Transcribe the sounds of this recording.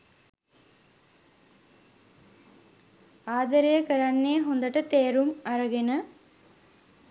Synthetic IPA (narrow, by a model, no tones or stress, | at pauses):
aːd̪əɾejəkəɾanːejɦond̪əʈət̪eːɾumaɾəɡenə